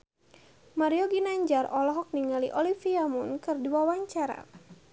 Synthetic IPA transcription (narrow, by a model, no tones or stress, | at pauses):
maɾiɔɡinaɲd͡ʒarɔlɔɦɔk̚niŋaliʔɔlifiamunkɨrdiwawaɲt͡ʃaɾa̰